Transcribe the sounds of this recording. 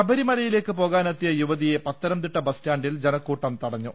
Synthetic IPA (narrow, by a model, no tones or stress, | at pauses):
ɐbɐɾimɐlɐjile̞ːkːɨpo̞ːɣaːnɐt̪ːijɐjuʋɐðije̞pɐt̪ːɐɾɐmt̪iʈːɐbɐstaːɳɖild͡ʑenɐkːuːʈːɐmt̪ɐɽɐɲːu